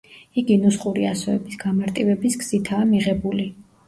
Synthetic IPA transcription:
iɡinusχʼuɾia̰sɔɛbisɡamaɾt̪ʼivɛbisɡz̥it̪ʰaːmiʁɛbuli

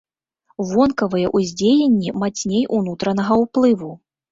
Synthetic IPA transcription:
vɔnkɐvɨjɛʔuzʲd͡zʲejenʲːimat͡sʲnʲejʔunut̪ɾɐnɐɣɐwplˠɨvu

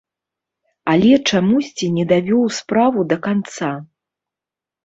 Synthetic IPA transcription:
alʲɛt͡ʂamusʲt͡sʲinʲɛd̪avʲɔwspɾavud̪ɐkant̪sa

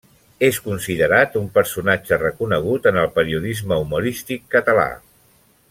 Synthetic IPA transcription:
eskunsiðəɾat̪umpəɾsunad͡ʒərəkunəɣ̞ut̪ənəlˠpəɾiuðizməumuɾist̪ikːət̪əla̰

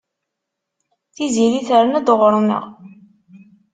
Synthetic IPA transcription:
θiziliθəɾənæd̪əʁɾˤnə̰ʁ

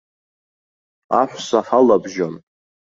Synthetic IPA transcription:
a̰ħʷsaħalabʒon

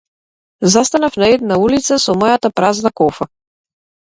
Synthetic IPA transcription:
zast̪anafnaɛd̪̚naulit̪sasɔmɔjat̪apɾaznakɔfa

